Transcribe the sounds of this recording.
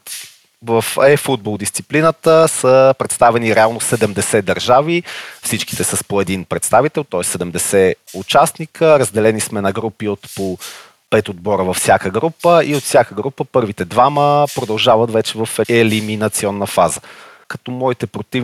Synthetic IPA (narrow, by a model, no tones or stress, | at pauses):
vəfɛfud̪̚bolˠd̪ist̪siplinət̪əsəpɾɛt̪st̪avɛniɾɛalˠnosɛd̪ɛmd̪ɛsɛd̪ɐɾʒavifsit͡ʃki̥t̪ɛsəspoɛd̪inpɾɛt̪st̪avit̪ɛlˠt̪ɔɛsːɛd̪ɛmd̪ɛsɛut͡ʃasnikəɾəzd̪ɛlɛnismɛnɐɡɾupiot̪po | pɛt̪od̪̚bɔɾəvɐfsʲjakəɡɾupəiot̪fsʲjakəɡɾupəpɤɾvit̪ɛd̪vaməpɾod̪ɐlˠʒavɐt̪vɛt͡ʃɛvəfɛliminɐt̪siɔnːəfazə | kɐ̥t̪ɔmɔit̪ɛpɾot̪iv